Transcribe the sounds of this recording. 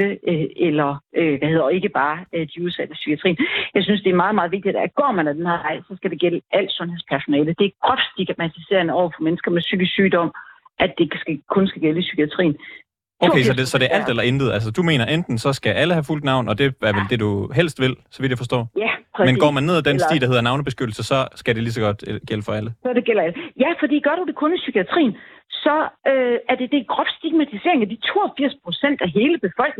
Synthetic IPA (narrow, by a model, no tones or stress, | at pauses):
əøelɐʔøʋæhe̝ð̰ˠɐe̝ɡ̥əb̥ɑ̈ːød̥iuð̞ˠsæd̥əsy̥kiæt͡sʰʁḭːnjɑ̈ɪsynsd̥e̝æɐmɑ̈ːðˠmɑ̈ːðˠʋe̝ɡ̚d̥idd̥ɡ̥ɒ̰ːmænæd̥enhɑɪ̰sɒ̽sɡ̥æɾe̝ɡ̥eləʔæl̰d̥sɔ̽nheðˠspʰæɐsonɛːləd̥e̝ækʰɒ̽d̥sd̥iɡ̥mæt͡sʰise̝̰ːɐnəɒʊ̰ɐfɒ̽menəsɡ̥ɐmesyɡ̥əsyːd̥ɒ̽m̰ʔæd̥esɡ̥kʰɔ̽nsɡ̥æɡ̥eləsykʰiæt͡sʰʁḭːn̩ | oʊesɒ̽desɒ̥̽e̝æɐʔæl̰d̥elɐend̥ð̩ˠæls̬əd̥ume̝ːnɐʔend̥n̩sɒ̽sɡ̥æʔæləhæful̰d̥nɑ̈ʊ̰nɒ̽d̥e̝æɐʋeld̥e̝duɦel̰sd̥ʋe̝l̰sɒ̽ʋid̥jafɒsd̥ɒ̰ːæpʰmen̥ɒ̰ːmænːe̝ð̰ˠæd̥ensd̥ḭːd̥ɐhe̝ðˠnɑ̈ʊnəb̥e̝sɡ̥ød̥l̩səsɒ̽sɡ̥æde̝lis̬ɒ̽ɡ̥ɒ̽d̥ɡ̥eləfɒ̽æləsɒd̥e̝ɡ̥el̰ɐləjæfɒ̽d̥ḭːɡ̥ɶɐɾ̥ud̥e̝kʰɔ̽nisykʰiæt͡sʰʁḭːnsɒ̽øæɐd̥e̝d̥e̝ɡ̥ʁɒb̥sd̥iɡ̥̚mæt͡sʰise̝̰ɐeŋæd̥it͡sʰo̝̰ːɒfiɐ̰spʰʁosen̰d̥æɦe̝ːləb̥e̝fɒ̽l̰ɡ̥ne